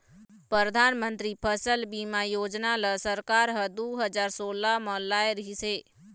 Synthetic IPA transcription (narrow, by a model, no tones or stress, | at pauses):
pɾəɾəd̪ʱaːnmə̃nt̪ɾipʰəsəlbimajoːd͡ʒnaləsəɾkaːɾɦəd̪uɦəd͡ʒaːɾsoːlamə̃laːeɾəɦiseː